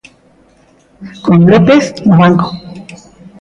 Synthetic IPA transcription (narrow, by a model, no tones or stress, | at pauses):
konlopesnoβaŋko̥